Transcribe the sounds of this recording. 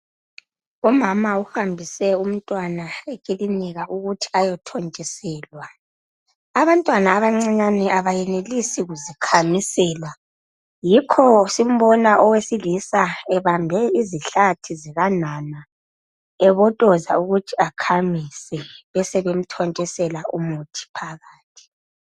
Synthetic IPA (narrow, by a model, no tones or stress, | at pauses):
umamauhambʱisɛum̩tʼwanaekʼiliniɣaʔuɣutʰi̥ajɔtʰɔnt͡ʃʼisɛːlwa | aβantʼwanaːβaŋ͡ǀiɲanɛʔaβajɛnelisiɣuzikʰamisɛːla | jikʰɔsim̩βɔnaʔɔwesilisaɛβambʱɛiziɬatʰiziɣanana | ɛβɔtʼɔzauɣutʰiakʰamisɛβɛsɛβem̩tʰɔnt͡ʃʼɛsɛlaʔumutʰi̥pʰaɣaːtʰi̥